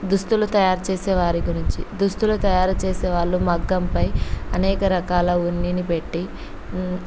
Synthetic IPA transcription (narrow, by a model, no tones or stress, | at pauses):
d̪ust̪ulut̪ɐjaːɾut͡ʃeːsɛːʋaːɾiɡuɾiɲt͡ʃid̪ust̪ulut̪ɐjaːɾut͡ʃeːseːʋaːɭːumɐɡːɐmpɐjɐnɛːkɐɾɐkaːlɐunːinipe̞ʈːi